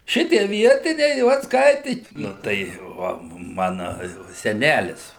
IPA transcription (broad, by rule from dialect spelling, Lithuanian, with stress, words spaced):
ˈʃʲɪtʲiɛ ˈʋʲiɛtʲɪnʲɛɪ ˈʋɐt ˈskɐɪtʲɪ ˈnʊ tɐɪ ˈʋɐ ˈmɑːnɐ ˈjɛʊ sʲɛˈnʲælʲɪs